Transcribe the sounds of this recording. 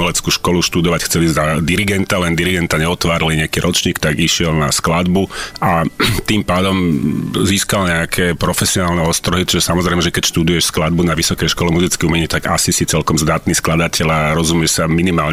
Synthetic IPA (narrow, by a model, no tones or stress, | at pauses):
ɛlɛt͡skuːʃkɔluʃt̪ud̪ɔʋacxt͡sɛlizad̪iɾiɡɛnt̪alɛnd̪iɾiɡɛnt̪aɲɛɔt̪ʋaːɾiliɲɛakiːɾʔɔt͡ʃɲiːkt̪aɡiʃɪɛlna̰sklad̪buʔat̪impaːd̪ɔmziːskalɲɛakʰɛːpɾɔfɛsiɔnaːlnɛɔst̪ɾɔɦit͡ʃiʒɛsamɔzɾɛɪmɛʒɛkɛcʃt̪ud̪ujɛʃsklad̪̚bunaʋisɔkɛjʃkɔlɛmuzit͡skɛumɛɲit̪aɡa̰sisit͡sɛlkɔmzd̪aːt̪niːsklad̪acʰɛʎaɾɔzumɪɛʃsaminimaːl